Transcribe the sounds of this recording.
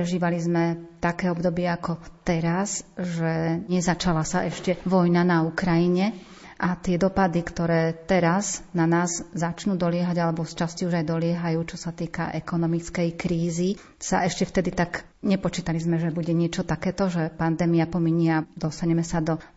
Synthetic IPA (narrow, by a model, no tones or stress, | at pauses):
ɾɛʒiːʋalizmɛt̪akɛːɔbd̪ɔbɪɛakɔt̪ɛɾazʒɛɲɛzat͡ʃalasaʔɛʃcɛʋɔjnanaukɾajiɲɛ | ʔat̪ɪɛd̪ɔpad̪ikt̪ɔɾɛːt̪ɛɾaznanaːzzat͡ʃnuːd̪ɔlɪɛɦaɟalɛbɔst͡ʃasciuʒajd̪ɔlɪɛɦajuːt͡ʃɔsat̪iːka̰ʔɛkɔnɔmit͡skɛjkɾiːzi | sa̰ʔɛʃcɛft̪ɛd̪it̪aɡ | ɲɛpɔt͡ʃiːt̪alizmɛʒɛbuɟɛɲɪɛt͡ʃɔt̪akɛːt̪ɔʒɛpand̪ɛːmiapɔmiɲiad̪ɔst̪aɲɛmɛsad̪ɔ